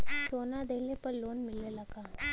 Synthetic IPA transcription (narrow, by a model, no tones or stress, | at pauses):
sonad̪elepəɾlonmilːəlaɡa